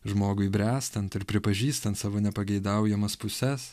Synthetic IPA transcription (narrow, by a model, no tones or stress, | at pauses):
ʒmoːɡʊibʲɾʲæːst̪ɐnt̪ɪɾpʲɾʲɪpɐʒʲiːst̪ɐnt̪sɑːʋoːnʲɛpɐɡʲɛɪd̪ɐʊjɛmɐspʊsʲɛs